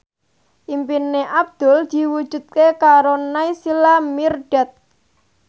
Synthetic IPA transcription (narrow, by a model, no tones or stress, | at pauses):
ʔimpinːeʔab̚d̪̥ɔ̤ld̪̥i̤wud̥ʒ̥ṳt̪̚kekaɾonaisilamirɖ̥at̪̚